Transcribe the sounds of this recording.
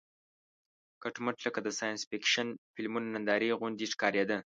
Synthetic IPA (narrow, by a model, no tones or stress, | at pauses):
kaʈməʈləkad̪əsɑjansfikʃanfɪlmunanand̪ɑɾiɣʊnd̪iʂkɑɾjed̪ə